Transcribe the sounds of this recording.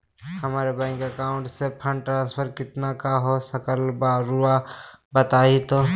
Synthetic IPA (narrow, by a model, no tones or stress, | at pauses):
həmaːɾebɛ̃ːŋkəkaːʊ̃ɳʈsepʰə̃ɳɖʈɾãːnspʰəɾkɪt̪nakaɦosəkəlbaɾua | bət̪aːit̪o